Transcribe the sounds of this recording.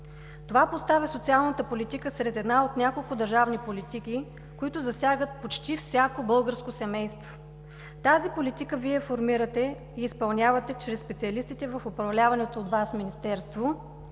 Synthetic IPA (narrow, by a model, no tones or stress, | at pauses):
t̪ovapost̪avɛsot̪sialˠnət̪əpolit̪ikəsɾɛt̪ɛd̪naot̪nʲakolˠkʊd̪ɐɾʒavnipolit̪iki | koit̪ʊzɐsʲjaɡət̪̚pot͡ʃt̪ifsʲakobɤlˠɡəɾskosɛmɛjst̪vo | t̪azipolit̪ikəviɛfoɾmiɾət̪ɛ | iːspɐlˠnʲavɐt̪ɛt͡ʃɾɛsːpɛt̪siɐlist̪it̪ɛvəfʊpɾɐvlʲavɐnɛt̪oːd̪vasminist̪ɛɾst̪vo